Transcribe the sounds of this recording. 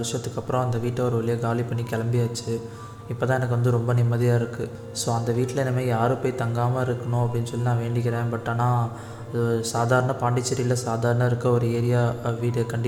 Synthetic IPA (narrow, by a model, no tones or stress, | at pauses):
ɾɪʂɐt̪ːɯkːɐpːɯɾõɐnd̪ɐʋiːʈːɐɔɾɯʋɐɭɪjɐɡaːlipɐɳːikɛlɐmbɪjaːt͡ʃːɯ | ɪpːoːt̪ãːɛnɐk̬ːɯʋɐnd̪ɯɾɔmbɐnɪmːɐðɪjaːɪɾɯkːɯ | soːɐnd̪ɐʋiːʈːɪlɐɛnːɐmeːjaːɾɯpɐːɪt̪ɐŋɡaːmɐɪɾɯkːɐɳʊ̃ɐpːɐɽɪnːɯsɔlːɪnaːʋeːɳɖɪk̬ːɪɾẽːnpɐʈːanːaː | saːðaːɾɐɳɐpaːɳɖɪt͡ʃːɐɾɪlɐsaːðaːɾɐɳaɪɾɯkːɐɔɾɯeːɾɪjaːʋiːʈkɐɳɖɪ